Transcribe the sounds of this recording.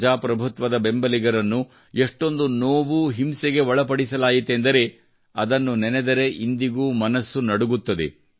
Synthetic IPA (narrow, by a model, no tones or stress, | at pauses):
d͡ʒaːpɾɐbʱut̪ʋɐd̪ɐbe̞mbɐliɡɐɾɐnːu | eʂʈo̞nd̪unoːʋuɦimseɡe̞ʋɐɭɐpɐɽisɐlaːjit̪end̪ɐɾe̞ | ɐd̪ɐnːunɛnɛd̪ɐɾe̞ʔind̪iɡuːmɐnɐsːunɐɽuɡut̪ːɐd̪e̞̰